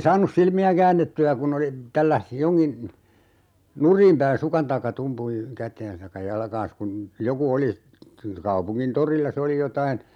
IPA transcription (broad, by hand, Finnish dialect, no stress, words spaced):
sɑːnus silmiæ kæːnːetːyæ kun oli tælːæs joŋkin nurˑiːm pæin sukɑn tɑikːɑ tumpuj kætˑeːn̞s tɑikːɑ jɑlkɑ̃ːs kun joku oli kɑupuŋkin torilːɑ se oli jotɑin